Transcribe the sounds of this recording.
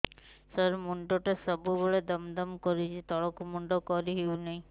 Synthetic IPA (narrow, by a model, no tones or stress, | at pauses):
səɾmuɳɖoʈesɔbuboɭed̪əmd̪əmkɔɾit͡ʃʰit̪ɔɭɔkumuɳɖokɔɾiɦeunaɦĩ